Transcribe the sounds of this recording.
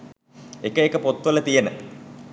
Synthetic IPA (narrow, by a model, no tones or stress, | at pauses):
ekəekəpot̪ʋələt̪ijenə